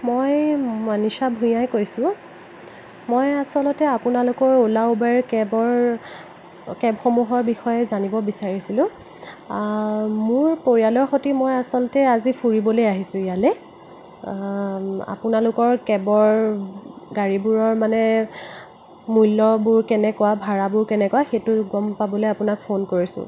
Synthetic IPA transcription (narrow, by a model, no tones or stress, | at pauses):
mojmanisabʱũjajkojsʊ̃ | mojasɔlɔtɛapʊnalʊkɔɹolaubaɹkɛbɔɹ | kɛbxomuɦɔɹbixɔjɛzanibɔbisaɹisilʊ̃ | mʊɹpoɹijalɔɹxotimojasɔlɔtɛazipʰuɹibɔlojaɦisʊ̃ijalɛ | a̰pʊnalʊkɔɹkɛbɔɹ | ɡaɹibuɹɔɹmanɛ | mujlːɔbuɹkɛnɛkɔwabʱaɹabʊɹkɛnɛkɔwaxetʊɡɔmpabɔlojapʊnak̚fʰonkoɹisʊ̰